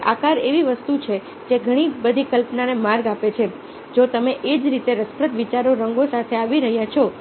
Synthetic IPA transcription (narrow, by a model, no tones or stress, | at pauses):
akaɾeʋiʋəst̪ut͡ʃʰe | d͡ʒeɡʱəɽ̃ibəd̪ʱikəlpnanemaɾɡapet͡ʃʰe | d͡ʒot̪əmeʔed͡ʒɾit̪eɾəspɾət̪ʋit͡ʃaɾoɾəŋɡosat̪ʰeaʋiɾəɦjãt͡ʃʰo